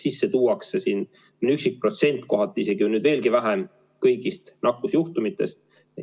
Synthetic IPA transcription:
sisːet̪uːɑksesiːn | nyksik̚pro̞t̪se̞nt̪ˑko̞ɦɑt̪ːˑeise̞ɡiunyːd̪ve̞ːlɡivæɦem | kɤjɡist̪nɑkːˑusjuht̪umit̪ːˑe̞st̪̚

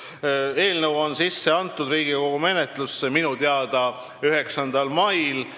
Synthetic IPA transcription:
e̞ːlnəwo̞nsisːe̞ɑnt̪ːˑud̪riːɡ̥iko̞ɡ̥ume̞net̪ˑlusːeminut̪eɑd̪̥ɑ | yɦe̞ksɑnd̪̥ɑlmɑjl

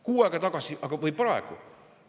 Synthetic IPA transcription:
kuːɑikɑt̪ɑkɑsiɑkɑʋoipɑḛko̰

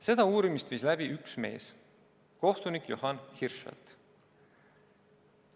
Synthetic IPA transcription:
se̞d̪̥ɑuːɾimist̪viːslæb̥iʔyksme̞̰ːs | ko̞ht̪unikjohɑnhirʃvḛlt̪

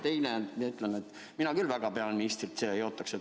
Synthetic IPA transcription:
t̪e̞jnemieyt̪ˑlenet̪ː | minɑkylvæɡ̥ɑpeɑlenist̪rit̪seːejo̞ːt̪ːˑɑkse

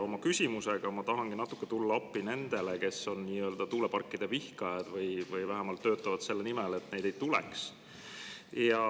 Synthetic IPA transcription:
o̞mɑkysʲimuse̞ɡ̥ɑmɑt̪ɑɦɑŋɡ̥inɑt̪ːˑu̥kːet̪ulːɑɑpːine̞nd̪̥e̞leke̞sːo̞nːiːøld̪̥ɑt̪uːle̞pɑrkːˑid̪̥e̞vihkɑjɑd̪̥vɯjvɯjvæɦæmɑlt̪ːø̞ːt̪ːˑɑvɑd̪̥se̞lːenimɛle̞t̪ne̞jd̪̥ejt̪ulɛ̰ks | jɑ

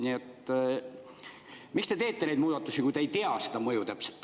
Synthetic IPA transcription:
niet̪ː | mikst̪e̞t̪e̞ːt̪ːenejd̪muːd̪̥ɑt̪ːˑusikujt̪ejt̪eɑsed̪ɑmɤjut̪epse̥t̪ː

